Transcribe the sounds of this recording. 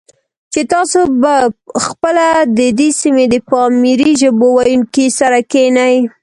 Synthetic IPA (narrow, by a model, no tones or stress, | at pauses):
t͡ʃet̪ɑsobaxpəlad̪əd̪esimed̪əpɑmiɾiʒəbowajunkisaɾakenaj